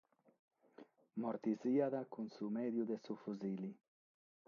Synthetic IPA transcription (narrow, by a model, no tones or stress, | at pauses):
moɾt̪iziaðakunsumɛðjuðesufuzili